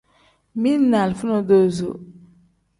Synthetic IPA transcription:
mi˦na˨lfu˦no˦do˦zo̰˨

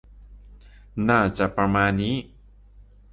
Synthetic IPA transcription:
naː˥˩t͡ɕa˨ʔpɾa˧maː˧nːiː˦˥

